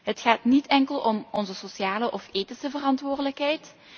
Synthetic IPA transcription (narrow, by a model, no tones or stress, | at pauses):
ɦətxaːtnitʰɛŋkəlˠɔmɔnzəsosjaːləʔɔfeːtisəvərɑntʋʊːrdələkɦɛjt